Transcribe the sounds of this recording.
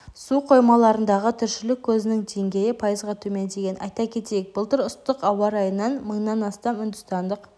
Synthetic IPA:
suqʰo̞jmɑlˠɑɾənd̪ɑʁət̪ʰʏɾʃɪlɪkʲʰːɵzɪnɪŋd̪e̞ŋɡʲe̞jɪpʰɑjəzʁɑt̪ʰɵmend̪e̞ɡʲe̞nɑ̰jt̪ɑkʲʰe̞t̪ejek̚bəlˠt̪əɾʊst̪ːəqɑwɑɾɑjənːɑnməɴnɑnɑst̪ɑmʏnd̪ʏst̪ɑnd̪əq

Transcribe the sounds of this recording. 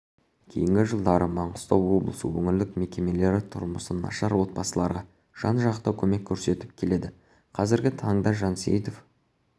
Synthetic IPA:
kʲʰe̞̰jɪŋɡʲɪʒəlˠd̪ɑɾəmɑɴəst̪ɑwwo̞blˠəsəwɵŋʲɪld̪ɪkme̞kʲe̞me̞le̞ɾɪt̪ʰʊ̰ɾməsənːɑ̰ʃɑɾwo̞t̪̚bɑsəlˠɑɾʁɑ | ʒ̥ɑnʒɑqt̪ɑwkʲʰɵme̞kʲʰːɵɾse̞t̪ɪp̚kʲʰe̞le̞d̪ɪ | qʰɑzɪɾɡʲɪt̪ʰɑɴd̪ɑʒɑnsḛjt̪o̞f

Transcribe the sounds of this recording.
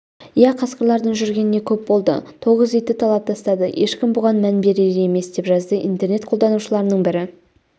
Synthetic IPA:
jæqʰɑsqəɾlˠɑɾd̪əɴʒʏɾɡʲe̞nɪne̞kʲʰɵp̚bo̞lˠd̪ə̰t̪ʰo̞ʁəzet̪ɪt̪ʰɑlˠɑp̚t̪ʰɑst̪ɑd̪əjʔe̞ʃkʲɪmbʊʁɑnmænbe̞ɾeɾee̞me̞sd̪̥e̞pʒɑzd̪əʔḭnt̪e̞ɾne̞t̪̚qʰod̪ɑnuʃəlˠɑɾənəɴbɪɾɪ

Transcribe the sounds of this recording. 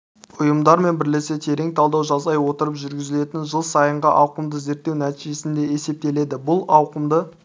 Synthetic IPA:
ʊjəmd̪ɑɾme̞nbɪɾle̞se̞t̪ʰe̞ɾe̞ŋt̪ʰɑlˠd̪ɑwʒɑzzɑjwo̞t̪əɾəpʒʏɾɡʲɪzɪle̞t̪ɪnʒəlˠsɑjəɴʁɑʔɑwqəmd̪əze̞ɾt̪ːewnæt̪iʒe̞sɪnd̪e̞e̞se̞p̚t̪e̞le̞d̪ɪbʊlˠɑwqəmd̪ə

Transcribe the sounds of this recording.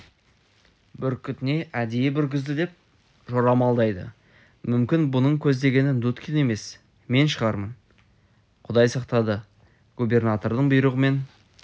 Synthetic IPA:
bʏɾkʲʰʏt̪ɪne̞ʔæd̪ejebʏɾɡʲɪzd̪ɪd̪e̞p̚ | ʒoɾɑmɑlˠd̪ɑjd̪ə̰ | mʏmkʲɪnbʊnəɴkʲʰɵzd̪e̞ɡʲe̞nɪnd̪ut̪kʲʰine̞me̞s | me̞nʃəʁɑɾmən | qʰʊd̪ɑjsɑqt̪ɑd̪ə | ɡ̥ubʲe̞rnat̪o̞ɾd̪əɴbʊjɾəʁəme̞n

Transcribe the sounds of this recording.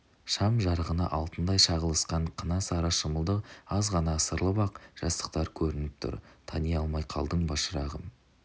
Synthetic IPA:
ʃɑmʒɑɾəʁənə̰ʔɑlˠt̪ənd̪ɑjʃɑʁəlˠəsqɑɴqʰənɑsɑɾɑʃəməlˠd̪əqɑzʁɑnɑsəɾlˠəbɑqʒ̥ɑst̪ə̥q̚t̪ɑɾkʲʰɵɾɪnɪp̚t̪ʰʊ̰ɾt̪ʰɑnijɑlˠmɑjqʰɑ̰lˠd̪əɴbɑʃəɾɑʁə

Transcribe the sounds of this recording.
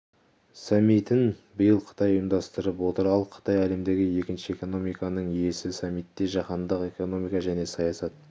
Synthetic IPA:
sɑmːijt̪ɪnbɪjəlˠqʰə̥t̪ɑjəjəmd̪ɑst̪əɾəpwo̞t̪əɾɑlˠqʰə̥t̪ɑjæle̞md̪e̞ɡʲɪje̞kʲɪnʃɪe̞ko̞no̞mijkɑnəɴije̞sɪsɑmːijt̪ːe̞ʒɑqɑnd̪əqe̞ko̞no̞mijkɑʒæne̞sɑjɑsɑt̪̚

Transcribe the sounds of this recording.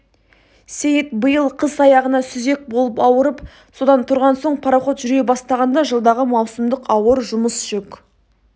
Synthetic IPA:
sejət̪bəjəlˠqʰəsɑjɑʁənɑsʏze̞k̚bo̞lˠəpɑwəɾəp | so̞d̪ɑnt̪ʰʊɾʁɑnso̞ɴpʰɑɾɑχo̞t̪ʒʏɾɡʲe̞bɑst̪ɑʁɑnd̪ɑʒəlˠd̪ɑʁəmɑwsəmd̪əqɑwəɾʒʊməsʒ̥ok

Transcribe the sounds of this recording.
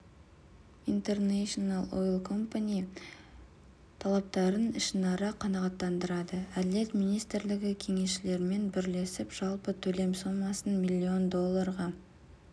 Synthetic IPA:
int̪e̞rneʃonalˠo̰jlˠkʰo̞mpanʲij | t̪ʰɑlˠɑp̚t̪ɑɾənɪʃənɑɾəqʰːɑnɑʁɑt̪ːɑnd̪əɾɑd̪əæd̪ɪle̞t̪mijnijst̪ɪɾlɪɡʲɪkʲʰe̞ŋe̞sʃɪle̞ɾme̞nbɪɾle̞sɪpʒ̥ɑlˠpət̪ʰɵle̞msomɑsənmilʲːio̞nd̪o̞lˠːɑɾʁɑ

